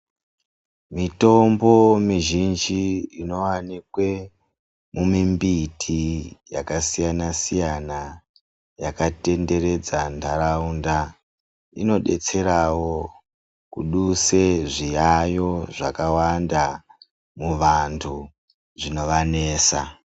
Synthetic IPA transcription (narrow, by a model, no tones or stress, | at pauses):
mito̞mbo̞miʒind͡ʒiino̞wanikwe̞ | mumimbitʰijakasijanasijana | jakate̞nde̞ɾe̞d͡zantʰaɾaunda | ḭno̞ɗe̞t͡se̞ɾawo̞ | kuɗuse̞ʐijajo̞ʐakawanda | muʋantʰu | ʐino̞ʋane̞ːsa